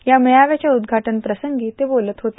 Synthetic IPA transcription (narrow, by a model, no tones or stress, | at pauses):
jaməjaʋjat͡ɕjaud̪ɡʱaʈənpɾəsəŋɡiːt̪ebolət̪ɦot̪e̥